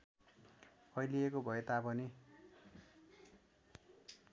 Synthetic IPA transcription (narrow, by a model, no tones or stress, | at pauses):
ʌjliekobʱʌet̪apʌni